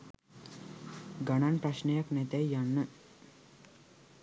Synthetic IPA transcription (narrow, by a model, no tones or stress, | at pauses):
ɡananpɾaʃnəjaknɛt̪ɛjjanːə